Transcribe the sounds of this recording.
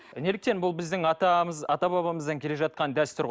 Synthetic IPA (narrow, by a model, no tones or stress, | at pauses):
ne̞lɪk̚t̪e̞nbʊlˠbɪzd̪ɪŋɑt̪ɑəzɑt̪ɑbɑβɑməzd̪ɑŋkʲʰe̞le̞ʒɑt̪̚qɑnd̪æst̪ʏɾʁ